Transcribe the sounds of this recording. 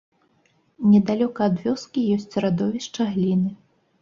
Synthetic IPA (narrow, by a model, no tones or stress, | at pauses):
nʲɛd̪alʲɔkɐːd̪vʲɔskʲijɔsʲt͡sʲrad̪ɔvʲɛʂt͡ʂɐɣlʲinɨ